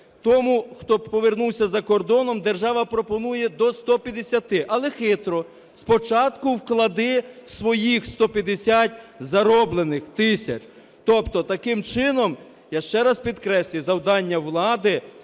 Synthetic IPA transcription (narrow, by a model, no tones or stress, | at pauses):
t̪ɔmuxt̪ɔpɔʋernuwsʲɐzɐkɔrd̪ɔnɔmd̪erʒɑʋɐpɾɔpɔnujɛd̪ɔst̪ɔpʲjɐd̪esʲɐt̪ɪʔɐlˠɛxɪt̪ɾɔ | spɔt͡ʃɑt̪kʊwklˠɐd̪ɪsʋɔjixst̪ɔpʲjɐd̪esʲatʲzɐɾɔblˠenɪxt̪ɪsʲɐ̰t͡ʃ | t̪ɔpt̪ɔt̪ɐkɪmt͡ʃɪnɔm | jaʃt͡ʃɛɾɐspʲid̪kɾɛsʲlʲɪzɐwd̪ɑnʲːɐʋlˠɑd̪ɪ